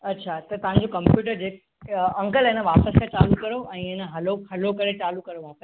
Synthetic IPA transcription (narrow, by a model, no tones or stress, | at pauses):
ɐtːɕʰat̪ɐt̪ɐʋ̤ãɲ̆d͡ʑokɐ̃mpjuːʈ̬əɾd͡ʑeːk | ɐ̃ŋkəlenəʋaːpəskʰat͡ɕaːlukɐɾoʔɛ̃ːenəɦɐloɦɐlokɐɾet͡ɕaːlukɐɾoʋaːpəs